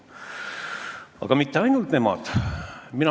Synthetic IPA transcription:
ɑ̰ɡ̥ɑmit̪ːeɑjnult̪ne̞mɑ̰d̪̥minɑ

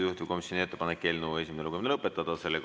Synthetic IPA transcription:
juht̪ivko̞misʲːjonʲie̞t̪ːepɑnekkːe̞ːlnue̞s̬ʲimeneluɡuminelɤpːˑet̪ːˑɑd̪̥ɑse̞lːe

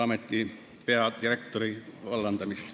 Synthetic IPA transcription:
ɑmet̪ʲːiː | peɑd̪irekt̪oriʋɑlːɑnt̪ɑmist̪

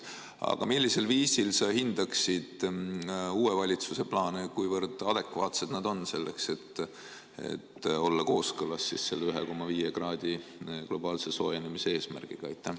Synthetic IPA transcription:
ɑ̰ɡ̥ɑ̰milʲːise̞lviːsilsɑhind̪̥ɑksid̪̥ | uːevɑlʲit̪suse̞plɑːnekujvɤrd̪̥ɑd̪̥e̞kvɑːt̪se̞d̪nɑd̪o̞nːse̞lːe̞̰kse̞t̪ː | ḛt̪o̞lːɑko̞ːskɤlɑsːḭsse̞lːeyɦeko̞mːɑviːjeɡrɑːd̪̥ʲiɡ̥lo̞b̥ɑːlse̞so̞ːjenemisee̞ːsmæ̰rɡ̥iɡ̥ɑejt̪ːˑæh

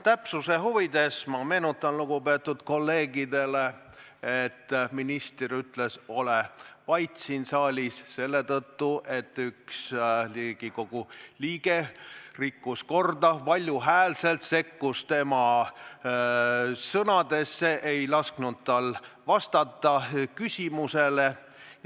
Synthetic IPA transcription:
t̪æpsuse̞ɦuvid̪e̞smɑme̞ːnut̪ːˑɑnluɡ̥upe̞t̪ːud̪̥ko̞lːe̞ːɡid̪e̞le̞ | et̪ːminist̪ryt̪le̞so̞levɑjt̪sinsɑːlʲisse̞lːe̞t̪ɤt̪ːuʔe̞t̪ːˑyksliɡ̥iko̞ɡ̥uliːɡ̥e̞rikːusko̞rd̪ɑpɑlʲjuɦæːlse̞lt̪se̞kːust̪e̞mɑ | sɤnɑd̪e̞sːe̞ʔejlɑsknud̪̥t̪ɑlvɑst̪ɑt̪ːˑɑkysʲimuse̞le̞

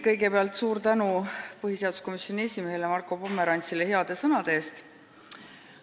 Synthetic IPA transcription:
kɤjɡe̞peɑlt̪ˑsuːɾt̪ænupɤɦise̞ɑd̪̥usko̞misjo̞nʲiesʲime̞ɦe̞lemɑrkːˑo̞pomːe̞ɾɑnʲt̪sile̞he̞ɑd̪̥e̞sɤnɑd̪̥eeːst̪

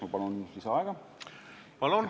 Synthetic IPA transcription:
ɑpɑluniliseɑeɡ̥ɑ | pɑlun

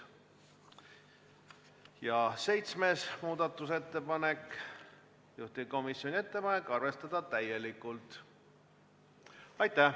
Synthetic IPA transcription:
jɑse̞jt̪sme̞smuːd̪̥ɑt̪ːˑus̬e̞t̪ːe̞pɑne̞k | juht̪iko̞misjo̞nʲie̞t̪ːe̞pɑnekːˑɑrve̞st̪ɑd̪ɑt̪æje̞likːˑult̪ˑ | ɑjt̪ːˑæ

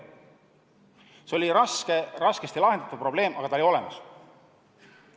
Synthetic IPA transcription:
seo̞lʲiɾɑskeɾɑskest̪ilɑɦend̪ɑ̥t̪upro̞ble̞ːmʔɑɡɑt̪ɑolio̞le̞̰mɑs

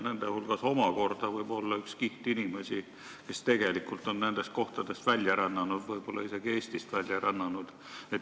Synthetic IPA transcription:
ne̞nd̪ehulɡ̥ɑso̞mɑko̞rd̪̥ɑvɤjb̥o̞lːɑykskiht̪inimesi | ke̞st̪e̞ɡ̥e̞likːˑult̪ˑo̞nne̞nd̪̥e̞st̪̚ko̞ht̪ɑd̪̥e̞st̪vælʲjɑɾɑnːɑnud̪̥vɤjb̥o̞lːɑ̰ise̞ɡ̥ie̞ːst̪ist̪vælʲjɑɾɑnːɑnud̪̥ | et̪

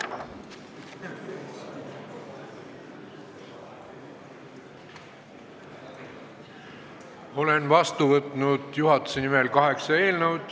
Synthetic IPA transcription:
o̞le̞nvɑst̪uvɤt̪ːˑnud̪̥juɦɑt̪ːˑu̥senimelkɑɦe̞ksɑe̞ːlnəwd̪̥

